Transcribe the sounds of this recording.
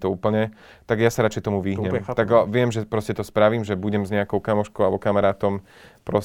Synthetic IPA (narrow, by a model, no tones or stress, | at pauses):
t̪ɔuːpl̩ɲɛ | t̪aɡjasaɾat͡ʃɛjt̪ɔmuʋiɦɲɛmt̪aɡʋɪɛmʒɛpɾɔscɛt̪ɔspɾaʋiːmʒɛbuɟɛmzɲɛakɔʊkamɔʃkɔʊalɛbɔkamaɾaːt̪ɔm | pɾɔs